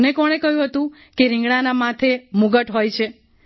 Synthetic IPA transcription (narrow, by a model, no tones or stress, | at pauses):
nekɔɽ̃ekəɦjũɦət̪ũ | keɾɪ̃ŋɡɽanamat̪ʰemuɡəʈɦojt͡ʃʰe